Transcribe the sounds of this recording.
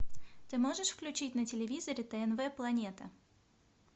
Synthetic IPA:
t̪ɨmo̞ʐɨʂfklʲʉt͡ɕitʲnətʲɪlʲɪvʲizəɾʲɪt̪ɛɛnvɛplˠɐnʲet̪ə

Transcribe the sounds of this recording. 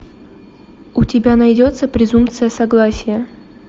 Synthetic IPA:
ʊtʲɪbʲanɐjdʲo̞t̪səpɾʲɪzumpt̪sɨjəsɐɡlˠasʲɪjə

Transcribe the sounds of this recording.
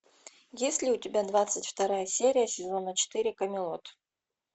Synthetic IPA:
jesʲlʲɪʊtʲɪbʲad̪vat̪sɨtʲft̪ɐɾajəsʲeɾʲɪjəsʲɪzonət͡ɕɪ̥t̪ɨɾʲɪkɐmʲɪlˠot̪

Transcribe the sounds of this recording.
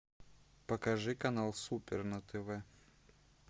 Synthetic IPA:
pɐkɐʐɨkɐnalˠsupʲɛrnɐt̪ʰɛvɛ

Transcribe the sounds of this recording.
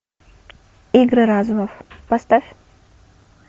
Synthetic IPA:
iɡɾɨɾazumɐfpɐst̪afʲ

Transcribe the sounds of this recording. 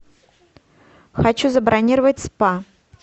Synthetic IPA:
xat͡ɕuzɐbɾʔanʲiɾəvət̚ʲspa

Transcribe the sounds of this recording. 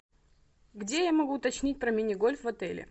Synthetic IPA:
ɡdʲejamɐɡuːt̪ɐt͡ɕnʲit̚ʲpɾɐmʲɪnʲɪɡo̞lʲfvɐt̪ɛlʲɪ̰

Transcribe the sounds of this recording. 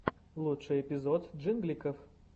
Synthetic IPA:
lˠutʂɨjɛpʲɪzot̪ʐɨnɡlʲikəf

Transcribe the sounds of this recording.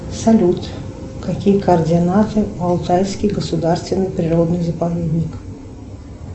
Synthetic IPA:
sɐlʲut̪ | kɐkʲijəkəərdʲɪɐnat̪ɨɐlˠt̪ajskʲɪjɡəsʊd̪arst̪vʲɪnːɨjpɾʲɪɾod̪nɨjzəpɐvʲed̪ʲnʲɪk

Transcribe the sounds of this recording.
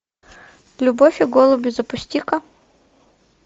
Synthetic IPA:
lʲʊbofʲɪɡolˠʊbʲɪzɐpʊsʲtʲikɐ

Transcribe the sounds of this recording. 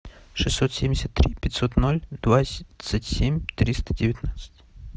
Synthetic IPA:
ʂɨsʲːot̪sʲemʲdʲɪsʲəat̪ːɾʲipʲɪtʲsot̪nolʲd̪̥vat̪sətʲsʲemʲt̪ɾʲist̪ədʲɪvʲɪt̪nat̪sə̥tʲ

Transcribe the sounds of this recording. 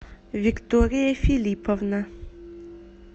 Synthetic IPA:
vikt̪oɾiefilipʰɔvna

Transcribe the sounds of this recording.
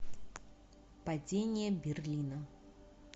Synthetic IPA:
pɐd͡zʲenʲɪjəbʲɪrlʲinə

